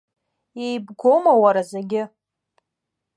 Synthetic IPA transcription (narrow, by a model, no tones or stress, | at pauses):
ejbɡʷo̞mawaɾazeɡʲɪ